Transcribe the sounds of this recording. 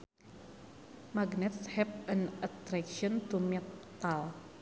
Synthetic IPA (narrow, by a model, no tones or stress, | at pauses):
maɡnɛt̪shɛp̚ənat̪ɾɛkʃiɔnt̪umɛt̪al